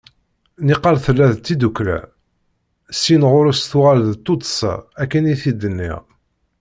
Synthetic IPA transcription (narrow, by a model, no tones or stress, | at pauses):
niqːɑlθəlːæðt͡s̪ːid̪uklæ̰ | sinʁʊɾusθʊʁælðt̪ːot̪ˤə̥sɑ̰ækːəniθid̪ənːḭʁ